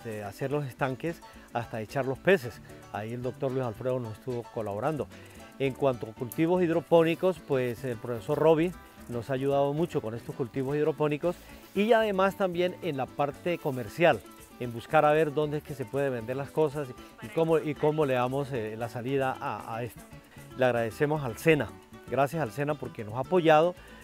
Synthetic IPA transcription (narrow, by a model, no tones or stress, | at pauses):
d̪ease̞ɾlo̞se̞st̪aŋke̞s | ast̪ae̞t͡ʃaɾlo̞spe̞se̞s | a̰ie̞ld̪o̞k̚t̪o̞ɾlwisalfɾeðonose̞st̪uβo̞ko̞laβo̞ɾand̪o̞ | eŋkwant̪oakult̪iβo̞siðɾo̞po̞niko̞spwe̞selpɾo̞fe̞so̞ɾro̞β̞i | no̞saːʝuðaðo̞mut͡ʃo̞ko̞ne̞st̪o̞skult̪iβo̞siðɾo̞po̞niko̞s | iaðe̞mast̪ambje̞nenlapaɾt̪e̞ko̞me̞ɾsjal | embuskaɾaβe̞ɾd̪o̞nd̪eeske̞se̞pwe̞ð̞eβe̞nd̪e̞ɾlasko̞s̬as | ikomoiko̞mo̞le̞ðamo̞slasaliðaʔa̰est̪o̥ | leaɣɾaðe̞se̞mo̞s̬alse̞na | ɡɾasjasalse̞napo̞ɾke̞no̞saːpo̞ʝað̞o̞